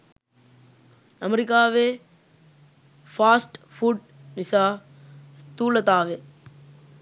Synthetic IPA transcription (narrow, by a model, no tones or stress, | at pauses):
ɐmɐɾikaːʋe | faːsʈfuɖ | nisaː | st̪uːlɐt̪aːʋe